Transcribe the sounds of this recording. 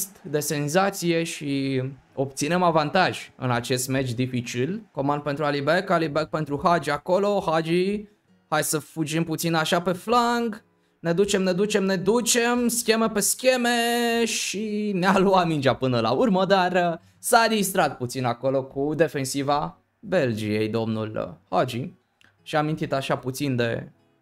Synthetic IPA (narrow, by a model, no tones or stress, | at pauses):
st̪d̪e̞se̞nzat̪sije̞ʃi | o̞b̚t̪sine̞mavant̪aʒʲɨ̰nat͡ʃe̞st̪met͡ʃd̪ifit͡ʃilko̞mand̪̚pe̞nt̪ɾualibekalibek̚pe̞nt̪ɾuxad͡ʒiako̞lo̞had͡ʒi | hajsəfud͡ʒimput̪sinaʃape̞flaŋɡ | ne̞d̪ut͡ʃemne̞d̪ut͡ʃe̞mne̞d̪ut͡ʃe̞mskʲemepe̞skʲe̞meʃinealuatmind͡ʒapɨnəla̰urməd̪aɾə | saːɾed͡ʒist̪ɾat̪̚put̪sinako̞lo̞kʰud̪e̞fe̞nsiva | be̞ld͡ʒie̞jd̪o̞mnṵl̰had͡ʒḭ | ʃiamint̪it̪aʃaput̪sind̪e̞